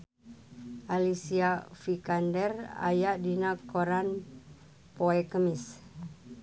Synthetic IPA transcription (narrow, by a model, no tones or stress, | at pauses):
ʔalisiafikandɛra̰jaʔdinakoɾan | poɛkəmɪs